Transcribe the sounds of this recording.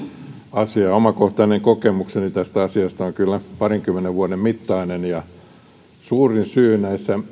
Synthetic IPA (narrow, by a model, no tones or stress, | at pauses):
ɑsiɑomɑkoht̪ɑineŋkokemuksenit̪æst̪æɑsiɑst̪ɑoŋkylːæpɑriŋkymːˑeneʋʋuɑdemmit̪ːɑinenjɑ | suːrinsyːnæisːæ